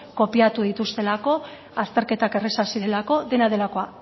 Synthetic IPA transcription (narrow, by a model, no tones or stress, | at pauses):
ko̞piat̪uðit̪ust̪e̞lako̞ | ast̪e̞ɾke̞t̪ake̞re̞sasiɾe̞lako̞ðe̞naðe̞lako̞a